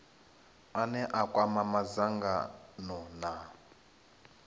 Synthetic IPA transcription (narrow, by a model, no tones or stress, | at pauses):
anɛʔakʼwamamazaŋɡa̰nɔna